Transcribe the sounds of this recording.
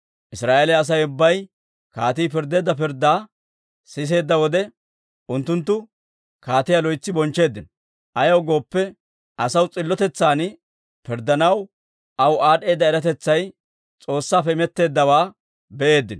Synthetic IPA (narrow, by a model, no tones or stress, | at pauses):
ʔɪsɾaːʔeːlɛɐs̬ɐjʊbːɐj | kaːt̪iːpɪɾd̪e̞ːd̪ːɐpɪɾd̪ːaː | sɪs̬e̞ːd̪ːɐwɔd̪ɛ | ʔʊnt̪ːʊnt̪̬ːʊ | kaːt̪ɪjalɔjt͡sːɪbɔnt͡ʃːe̞ːd̪ːɪnɔ | ʔɐjɐwɡo̞ːpːɛ | ʔɐsɐwt͡sʼɪlːɔt̪ɛt͡sːaːn | pɪɾd̪ɐnɐw | ʔɐwaːɗe̞ːd̪ːɐɛɾɐt̪ɛt͡sːɐj | t͡sʼo̞ːsːaːpːɛɪmɛt̪ːe̞ːd̪ːɐwaː | bɛʔe̞ːd̪ːɪn